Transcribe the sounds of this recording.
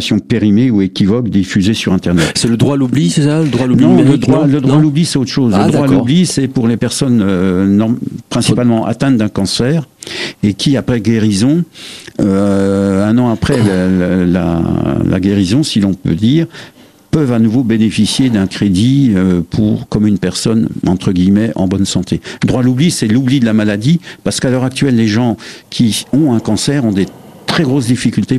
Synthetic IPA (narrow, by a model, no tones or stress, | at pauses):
sjɔ̃peʁimeuekʲivɔkd̪ifyzesyʁɛ̃t̪ɛʁnɛt̪sɛləd̪ʁwalublisɛsaləd̪ʁwalunɔ̃mɛləd̪ʁwaləd̪ʁwalublisɛtot̪χə̥ʃozləd̪d̪ʁwalublisɛpuʁlepɛʁsɔnøɔpχɛ̃sipalmɑ̃ʔa̰t̪ɛ̃t̪d̪ɛ̃kɑ̃sɛːʁekʲʰiapχɛɡeʁizɔ̃øɛ̃nɑ̃apχɛlla̰la̰ɡʲeʁizɔ̃silɔ̃pø̰d̪iːʁ | pœvanuvobenefisjed̪ɛ̃kχed̪iøpʰuʁkɔmynpɛʁsɔnɑ̰̃t̪χəɡʲijmɛʔɑ̰̃bɔnsɑ̃t̪ʰeəd̪ʁwalublisɛlublid̪əlamalad̪ipaʁsə̥kalœʁak̚t̪ɥɛlːeʒɑ̃kʲʰiɔ̃ɛ̃kɑ̃sɛʁɔ̃d̪e | t̪χɛɡʁos̬d̪ifikʲylt̪e